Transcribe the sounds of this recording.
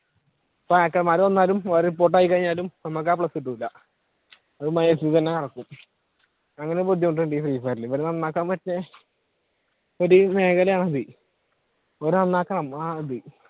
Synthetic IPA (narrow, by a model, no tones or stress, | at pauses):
ɐpːoakːɐɭmaːɾonːaːlumʋaːɾupo̞ːʈ̬ːaːjikːɐɻiɲːaːlumnɐmːɐk̬ːaːpɭɐsiʈːuilːɐ | ɐðɨmɐjesit̪ɐnːe̞kɐɽɐkːum | ɐŋːɐnepod̪jɐmoɳʈ̬weɳɖit̪riːfaːɾilipːɐɾunɐnːaːkːɐɳɐmpɐt͡ɕːɨ | o̞ɾume̞ːɣɐlɐjaːɳɐði | oɾunɐnːaːkːɐɳɐmaːɐðɨ